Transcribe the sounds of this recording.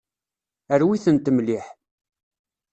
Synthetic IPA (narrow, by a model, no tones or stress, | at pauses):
əɾwiθənt̪əmliħ